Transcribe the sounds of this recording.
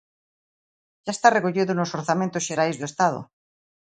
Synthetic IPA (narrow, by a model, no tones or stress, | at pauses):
ʝ̥aest̪arekoʎiðonosoɾθamẽnt̪osʃeɾajzðoest̪að̞o̰